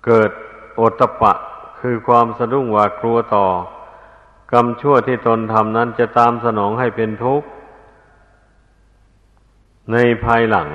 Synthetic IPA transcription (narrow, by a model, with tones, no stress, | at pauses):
kɤː˨˩t̪̚ʔo˨˧˩t̪ʰːa˧pa˧ʔkʰɯː˧kʰwaː˧msa˧du˧˩ŋwaː˧klu˧ɐt̪ɔː˨˩ | ka˧mt͡ɕʰu˥˩ət̪ʰiː˧˥˩t̪o˧nt̪ʰa˧mna˦˥˨nt͡ɕa˧˨ʔt̪aː˧msa˧nɔː˩˦ŋɦa˥˩jpe˧nt̪ʰu˦˥k̚ | na˧jpʰaː˧jla˩˦ŋ